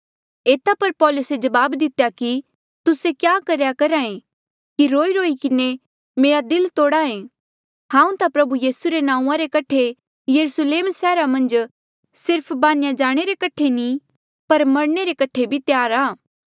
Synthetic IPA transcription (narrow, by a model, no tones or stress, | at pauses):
eːt̪apɐɾpɔːlʊsed͡ʒɐbaːbd̪ɪt̪ejaki | t̪ʊsekjaːkɐɾjakɐɾaːẽ | kiɾoːiɾoːikɪne | meːɾad̪ɪlt̪oːɽaːẽ | hãːũt̪apɾɐbujiːsuɾenãːũãɾekɐʈʰe | jɐɾusleːmsɛːɾamɐ̃nd͡ʒ | sɪɾpʰbaːnjad͡ʒaːɽ̃eɾekɐʈʰeni | pɐɾmɐɽɳ̃eɾekɐʈʰebʱit̪jaːɾaː